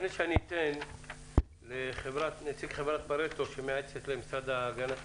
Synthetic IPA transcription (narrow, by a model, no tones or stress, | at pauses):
ifneʃeanit̪en | leχevɾat̪net͡sikχevɾat̪̚baɾet̪oʃemeaet͡set̪lemisɾad̪aːɡana